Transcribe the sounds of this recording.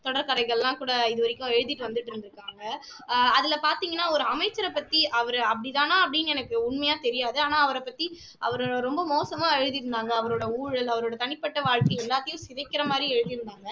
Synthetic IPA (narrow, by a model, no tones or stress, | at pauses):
t̪ɔɽɐɾkɐɾɐɪɣɐɭlːãːkuːɽɐɪðɯʋɐɾɪkːʊ̃ɛɻɯðɪʈːɯʋɐnd̪ɯʈːɯɾɯnd̪ɪɾɯkːaːŋɡɐ | ɐðɪlɐpaːɾt̪iːŋɡɐnːaːɔɾɯɐmɐɪt͡ʃːɐɾɐpːɐt̪ːiʔɐʋɐɾɐpːɐɽit̪aːnaːɐpːɐɽɪnːɛnɐkːɯʊɳmɐjaːt̪ɛɾɪjaːðɯaːnaːɐʋɐɾɐpːɐt̪ːi | ʔɐ̰ʋɐɾoːɽɐɾɔmbɐmoːsɐmãːɛɻɯðiɾɯnd̪aːŋɡɐːʋɐɾoːɽɐuːɻɐlɐʋɐɾoːɽɐt̪ɐɳɪpːɐʈːɐʋaːɻkɐj̃ɛlːaːt̪ːɐjʊ̃sɪðɐɪkːɪɾɐmaːd̪ɾiɛɻɯðiɾɯnd̪aːŋɡɐ